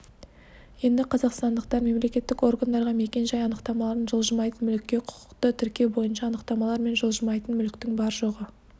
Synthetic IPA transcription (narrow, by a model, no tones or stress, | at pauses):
je̞nd̪ɪqʰɑzɑqst̪ɑnd̪əqt̪ɑɾme̞mle̞kʲe̞t̪ːɪko̞rɡand̪ɑɾʁɑme̞kʲe̞nʒɑjɑnəqt̪ɑmɑlˠɑɾənʒəlˠʒəmɑjt̪ənmʏlɪkʲːe̞qʰʊ̥qə̥qt̪ət̪ʰʏɾkʲe̞wbo̞jənʃɑːnəqt̪ɑmɑlˠɑɾme̞nʒolˠʒəmɑjt̪ənmʏlɪk̚t̪ɪŋbɑɾʒo̞ʁə